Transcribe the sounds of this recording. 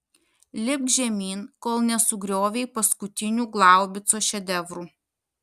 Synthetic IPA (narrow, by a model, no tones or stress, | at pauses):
lʲɪb̚ʒʲɛmʲiːnkoːlˠnʲɛsʊɡɾʲoːʋʲɛɪpɐskʊt̪ʲɪnʲuːɡlˠɑˑʊbʲɪt̪soːʃʲɛd̪ʲɛʋɾuː